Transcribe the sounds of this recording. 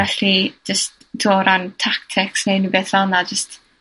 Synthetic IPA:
ɛɬid͡ʒəst | d̥ɔɾʔantʰak̚tʰɪksnejnibeθɔnad͡ʒəst

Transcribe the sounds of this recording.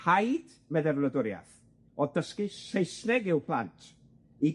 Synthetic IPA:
hajd̥ | vɛðɛrlədʊɾja̰θ | ɔdəskisejslɛɡɪwpʰlˠa̰ntʰ | i

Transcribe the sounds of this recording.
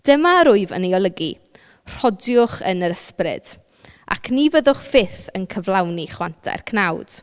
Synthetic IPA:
d̥əmaɾʊɨvə̰neɔlˠəɡḭ | r̥ɔdjʊχənəɾəsprɨ̰d̥ | ʔa̰kʰnivəðʊχfɪθənkʰəvlˠawniχwantʰa̰rkʰnawd̥

